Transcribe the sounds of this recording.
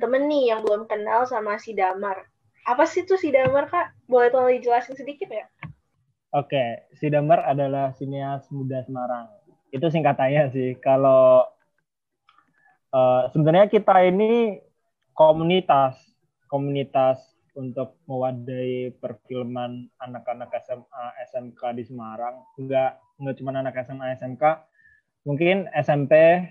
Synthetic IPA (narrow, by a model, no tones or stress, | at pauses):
t̪əmənːɪjaŋbəlʊmkənalsamasidamər | apasiht̪ʊsidamərkaʔ | bolɛt̪odid͡ʒəlasjaŋsədikɪt̪̚ja | okesidamaɾadalahsineasmudasəmaɾaŋ | it̪us̬iŋkat̪aɲasɪhkalo | əːsəbənarɲakit̪aini | komunit̪as | komunit̪as | unt̪ʊk̚məwadaipərfilmananakanakɛsɛmaɛsɛmkadisəmaɾaŋŋɡaʔ | ŋɡaʔt͡ʃumananakɛsɛmaɛsɛmka | muŋkɪnɛsɛmpe